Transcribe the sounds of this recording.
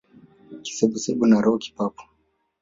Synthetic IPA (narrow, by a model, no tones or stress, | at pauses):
ki̥sɛɓusɛɓunaɾɔuki̥papu̥